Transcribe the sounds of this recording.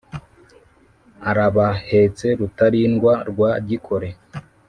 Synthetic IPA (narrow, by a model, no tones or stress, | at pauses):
aɾaβahe̞t͡se̞ɾutaɾinɡwaɾɡwaɟikʰo̞ɾe̞